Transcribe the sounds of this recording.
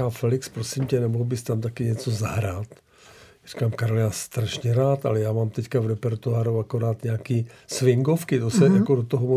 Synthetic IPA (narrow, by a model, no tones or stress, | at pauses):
aːfɛlɪkspɾosɪmcɛnɛmoɦlbɪst̪amt̪akɪɲɛt͡sozaɦɾaːt̪ | jar̥i̥kaːmkaɾolɪnast̪ɾaʃɲɛɾaːt̪ʔa̰lɛjaːmaːmt̪ɛckavɾɛpɛɾt̪oaːɾuakoɾaːt̪ɲɛakiːsvɪŋɡofkɪt̪osɛjakodot̪oɦomo